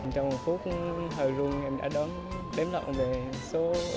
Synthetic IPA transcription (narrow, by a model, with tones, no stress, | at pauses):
t͡ɕɔ˧wŋ͡mhə˨˩fu˦˥ək̚ɦəː˨˩jzu˧əŋʔɛ˧mɗa̰ː˧˥ɗɔ˨˦n | ɗɛ˨˦mlə̰˧˨wŋ͡mve˨˩ | so˨˦